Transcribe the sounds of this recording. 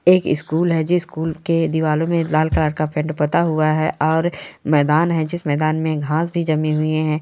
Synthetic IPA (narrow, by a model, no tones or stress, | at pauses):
eːkɪskuːlɦɛd͡ʒɪskuːlked̪iʋaːlõmẽlaːlklaːɾkapʰɛ̃ɳɖpɐt̪aɦuaɦɛʔɔːɾmɛːd̪aːnɦɛ̃d͡ʒɪsmɛːd̪aːnmẽɡʱãːsbʱid͡ʒɐmĩɦʊeɦɛ̃ː